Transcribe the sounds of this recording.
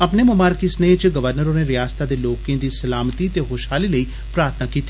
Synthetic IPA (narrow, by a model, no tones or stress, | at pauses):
əpneːmʊmaːɾkisneːt͡ʃɡəʋəɾnəɾoːneːɾɪjaːst̪aːd̪eːloːkẽːd̪iːsəlaːmət̪iːt̪eːɦoːʃhaːliːləiː | pɾaːɾt̪ʰnaːkiːt̪ːi